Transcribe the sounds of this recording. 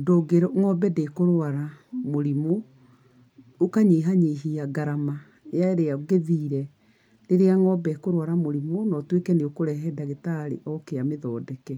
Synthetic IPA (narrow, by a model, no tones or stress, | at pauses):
doːɡeɾɔŋɔbɛdekoɾwaɾamoɾimo | okaɲeːɦaɲeːɦiaɡaɾama | jaeɾeaɡeðiːɾɛ | ɾeɾeaŋɔbɛkoɾwaɾamoɾimonɔtwekɛneokoɾɛɦɛdaɣetaɾḛʔɔkeameðɔːdɛkɛ